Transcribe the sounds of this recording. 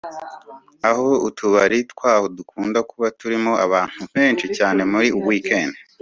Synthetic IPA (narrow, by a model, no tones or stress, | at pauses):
aho̞utuβaɾitwaːhodukʰuːndakuβatuɾimo̞aβaːn̥huβeːnt͡ʃicaːne̞muɾiuβwiːkʰe̞ːne